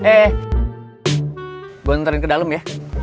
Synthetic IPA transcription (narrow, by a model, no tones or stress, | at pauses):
ɛ | buant̪əɾɪnkədaləmja